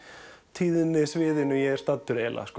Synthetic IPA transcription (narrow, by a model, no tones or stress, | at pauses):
t̪ʰiːðɪnːɪsvɪːðɪnʏjɛɛɾ̥st̪at̪ːʏɾɛːla̰skː